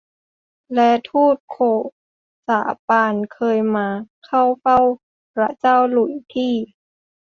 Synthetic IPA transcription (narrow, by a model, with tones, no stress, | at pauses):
lɛ˦˥t̪ʰuː˥˩t̪̚kʰoː˧˩ | sa̰ː˩˦paː˧nkʰɤː˧jmaː˧kʰa˥˩wfa˥˩w | pɾa˧˥t͡ɕaː˥˩wlu˨˩˦jt̪ʰiː˥˩